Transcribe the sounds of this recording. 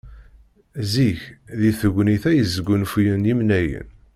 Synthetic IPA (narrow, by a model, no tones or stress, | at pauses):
ziçðiθəɡʷniθæjəzəɡʷːʊnfjənjimnæjə̰n